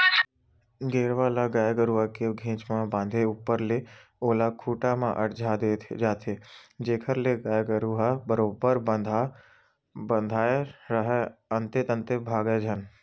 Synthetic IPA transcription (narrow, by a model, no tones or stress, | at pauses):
ɡeːɾʋaːlaɡaːjeɡəɾuɦakeɡʱẽːt͡ʃmãbãːnd̪ʱeupːəɾleoːlakʰuːʈamã̰ʔəɾd͡ʒʱaːd̪eːt̪ʰd͡ʒaːt̪ʰed͡ʒeːkʰəɾleɡaːeɡəɾuɦabəɾoːbəɾ | bənd̪ʱaːeɾəɦɛənt̪et̪ə̃nt̪ebʱaːɡed͡ʒʱən